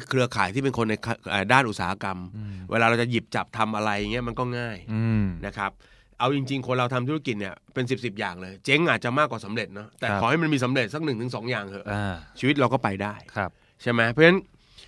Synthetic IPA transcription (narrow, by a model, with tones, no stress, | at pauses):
kʰɾɯ˧ɐkʰaː˨˩˦jt̪ʰiː˥˩pe˧nkʰo˧nːa˧jkʰʔəː˨˩daː˥˩nʔu˨˩saː˩˦a˦˧ka˧mwḛː˧lːɾa˧wt͡ɕa˨˩ji˨˩p̚t͡ɕa˨˩p̚t̪ʰa˧mʔa˧ɾa˧jːa˨˩ŋi˦˥ɐma˧nkɔː˥˩ŋaː˥˩jna˦˥kʰɾa˦˥p̚ | ʔa˧wt͡ɕi˧ŋt͡ɕi˧ŋkʰo˧nɾa˧wt̪ʰa˧mt̪ʰu˦˥a˥ki˨˩t̪̚ni˦˥˩ɐpe˧ns̬i˨˩p̚si˨˩p̚jaː˨˩ŋlɤː˧jt͡ɕe˦˥ŋʔaː˨˩t̪̚t͡ɕa˨˩maː˥˩kwaː˨˩sa˩˦mɾe˨˩t̪̚nɔ˦˥t̪ɛː˨˩kʰɔː˨˦ha˥˩jma˧nmiː˧s̬a˩˦mɾe˨˩t̪̚sa˦˥k̚nɯ˨˩ŋt̪ʰɯ˩˦ŋsɔː˩˦ŋjaː˨˩ŋʰɤ˧˩t͡ɕʰiː˧wi˦˥t̪̚ɾa˧wkɔː˥˩pa˧jdaː˥˩jʰp | t͡ɕʰa˥˩jma˦˥pʰɔː˦˥na˦˥n